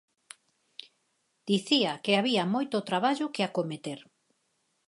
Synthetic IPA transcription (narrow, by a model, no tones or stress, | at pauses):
d̪̥iθiakeaβiamojt̪ot̪ɾaβaʎʊkɪakomet̪eɾ